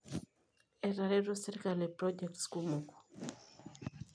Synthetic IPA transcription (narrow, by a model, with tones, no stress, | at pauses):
e˨ra˨ɾe˦ɾo˦se˦ɾkale˨pɾoɟɛ˨k̚tsku˦mo˨ko̥˨